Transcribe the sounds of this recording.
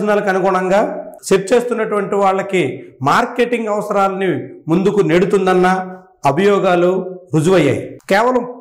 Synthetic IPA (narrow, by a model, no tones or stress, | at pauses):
d͡ʒɐnaːlɐkɐnuɡuːɳɐŋɡaːʃeɾt͡ʃeːst̪unːɐʈuʋɐɳʈiʋaːɭːɐkimaːɾke̞ːʈiŋɡɐʋɐsɐɾaːlɐnimund̪ukune̞ːɽut̪und̪ɐnːɐ | ɐbʱɐjɔːɡaːluɾud͡ʒuʋɐjːa̰ːjḭkɛːʋɐlɐm